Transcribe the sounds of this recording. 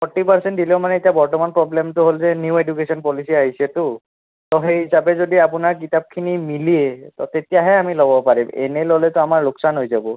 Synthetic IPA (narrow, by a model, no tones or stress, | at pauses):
pʰɔʈːipaɹsɛntdilemanɛetijabɔɹtɔmanpɹɔblemtʊɦolzɛnjuedukesɔnpɔlisiaɦisɛtʊ | tɔɦejɦisabɛzodiapʊnaɹk̬itap̚kʰinimilietɔtetijaɦɛamilɔbɔpaɹimɛ̰nɛlolɛtɔamaɹlʊksanɦojzabɔ